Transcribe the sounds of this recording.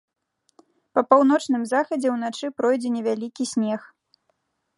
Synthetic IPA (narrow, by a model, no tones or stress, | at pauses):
pɐpawnɔt͡ʂnɨmzaxɐd͡zʲɛwn̪at͡ʂɨpɾɔjd͡zʲɛnʲɛvʲalʲikʲisʲnʲɛx